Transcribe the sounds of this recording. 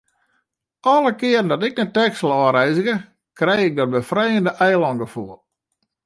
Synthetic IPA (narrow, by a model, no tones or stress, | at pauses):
ʔɔləkɪərən̩dɔtɪk̚nɛtɛksəlˠɔːɾɛjzəɣə | krɛjɪk̚dɔt̚bəfrɛjəndəʔɛjlɔŋɡəfuəlˠ